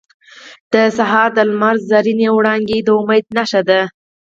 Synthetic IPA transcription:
d̪̥əsaɦɑɾd̪əlmaɾzzaɾinewɽɑŋɡed̪əʊmajd̪̚naʃad̪a

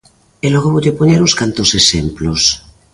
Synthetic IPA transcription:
eloɣoβoʎepoɲeɾuskant̪osesemplos

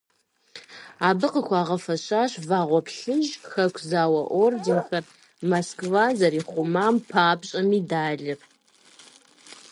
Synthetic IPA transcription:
aːbɨqəxʷʰɑːʁɐfɐɕaːɕvaːʁʷɔpɬɨʒxɐkʷʰzaːwɐʔʷordinxɐr | moskvazɐɾiːχʷʊmaːmpʰaːpɕʼɐmiːdaːɮɨr

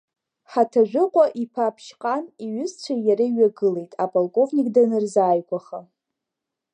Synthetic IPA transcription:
ħatʰaʒᶣʷɨqʷʼaʔipʰapʰʃqʼaniɥʏzt͡ɕʷʰajaɾaiɥaɡɨle̞jtʼapʼolkʼo̞vnʲikʼdanɨrzaːjkʷʼaχa

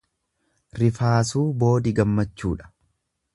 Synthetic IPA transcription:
ɾɪfaːsuːbo̞ːd̪ɪɡɐmːɐt͡ʃːuːᶑɐ̥

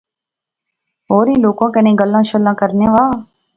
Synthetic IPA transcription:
ɦoːɾĩːloːkãːkenẽːɡəlːãːʃəlːãːkəɾnẽːʋaː

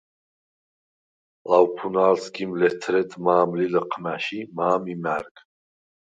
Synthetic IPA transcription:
lawpʰunaːlsɡimlɛt̪ʰɾɛt̪ʰmaːmliləqʰmaʃimaːmimæɾkʰ

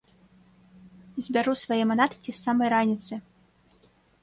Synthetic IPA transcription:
zʲbʲaɾusvajɛmanat̪ɨ̥kʲisamɐjɾanʲit̪sɨ

